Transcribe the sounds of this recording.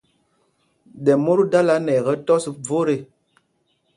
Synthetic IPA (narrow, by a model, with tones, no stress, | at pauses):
dɛ˨mo˦ɾu˦da˦la˨˦nɛ˨ɣɛ˦tɔ˦si˨b͡vo˦ɾe˨